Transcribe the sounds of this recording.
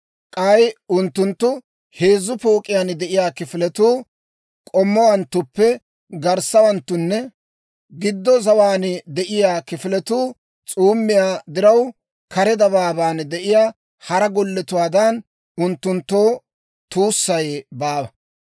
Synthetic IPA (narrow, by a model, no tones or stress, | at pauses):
kʼɐjʊnt̪ːʊnt̪ːʊ | he̞ːzːʊpo̞ːkʼɪjaːnd̪ɛʔɪjaːkɪfɪlɛt̪uː | kʼɔmːɔwɐnt̪ːʊpːɛ | ɡɐɾsːɐwɐnt̪ːʊnːɛ | ɡɪd̪ːɔzɐwaːnɪd̪ɛʔɪjaːkɪfɪlɛt̪uː | t͡sʼuːmːɪjaːd̪ɪɾɐw | kɐɾɛd̪ɐbaːbaːnd̪ɛʔɪjaː | hɐɾɐɡɔlːɛt̪ʊwaːd̪ɐn | ʊnt̪ːʊnt̪ːoː | t̪uːsːɐjbaːbɐ